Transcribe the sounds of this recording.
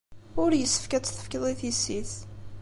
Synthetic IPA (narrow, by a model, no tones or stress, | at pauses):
ʊɾjəsːə̥fkæt͡sːθə̥fkəðˤiθisːiθ